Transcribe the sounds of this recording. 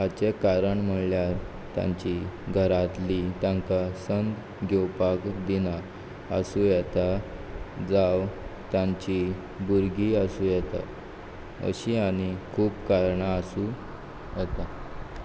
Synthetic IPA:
at͡ɕekaɾəɳm̤əɳljaɾ | t̪jã̰ɲt͡ɕiɡʱəɾat̪lit̪jãŋkasənd̪ | ɡʱewpakd̪ina | ə̰suːjɛt̪a | d͡zawt̪jãɲt͡ɕi | buɾɡiəsuːjɛt̪a̰ | ə̰ɕiaɽ̃ikʰuːpkaɾɳaəsu | jɛt̪a

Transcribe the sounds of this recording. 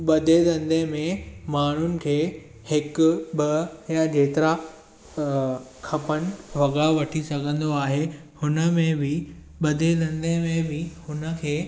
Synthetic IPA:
ɓɐd̪ʱed̪ɐ̃nd̪ʱẽmẽmaːɳ̤ʊnɪ̆kʰeː | hɪkʊbɐjãd͡ʑeːt̪ɪɾa | kʰɐpənɪ̆ʋɐɡaʋɐʈʰisɐɡʱə̃nd̪oaːɦe | hʊnə̆mẽbɪ | ɓɐd̪ʱed̪ɐ̃nd̪ʱemẽbɪhʊnə̆kʰeː

